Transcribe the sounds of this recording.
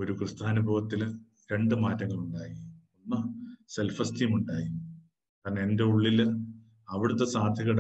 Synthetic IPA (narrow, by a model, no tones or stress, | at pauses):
o̞ɾukrɨst̪ʰaːnubʱɐʋɐt̪ːil | ɾe̞ɳɖɨmaːtːɐŋːɐɭuɳɖaːjionːɐse̞lfɐstijmuɳɖaːjum | kaːɾneende̞uɭːil | ɐʋiɽut̪ːesaːd̪ʱjɐɣɐɽ